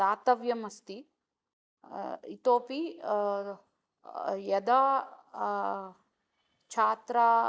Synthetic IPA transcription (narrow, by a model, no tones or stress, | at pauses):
aːt̪ɐʋjɐmɐst̪i | it̪oːpi | jɐd̪a | t͡ʃʰaːt̪ɾa